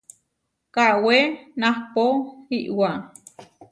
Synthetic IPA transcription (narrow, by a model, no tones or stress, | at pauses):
kawenahpoiʔwa